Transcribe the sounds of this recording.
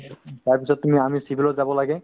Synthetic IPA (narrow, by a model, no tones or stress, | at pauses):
t̪aɹpisʰɔt̪̚ːumiamisibʱilɔtzabɔlaɡɛ